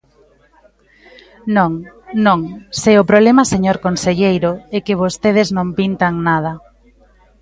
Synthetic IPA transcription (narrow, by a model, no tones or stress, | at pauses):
nõŋnõŋseʊpɾoβlemaseɲoɾkonseʎejɾoɛkɪβost̪eð̞eznõmpint̪aŋnað̞ɐ